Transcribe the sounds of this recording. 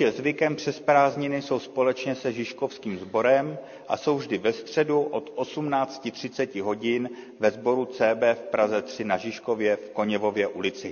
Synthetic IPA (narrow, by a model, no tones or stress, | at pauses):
ɛzvɪkɛmpr̥ɛspɾaːzɲɪnɪso̞wspo̞lɛt͡ʃɲɛsɛʒɪʃko̞fskiːmzbo̞ɾɛm | ʔa̰so̞wvʒdɪvɛst̪r̝̥ɛduʔo̞t̪ʔo̞sumnaːt͡scɪt̪r̝̥ɪtt͡sɛcɪɦo̞ɟɪn | vɛzbo̞ɾut͡sɛːbɛːfpɾazɛt̪r̝̥ɪnaʒɪʃko̞vjɛfko̞ɲɛvo̞vjɛʔulɪt͡sɪ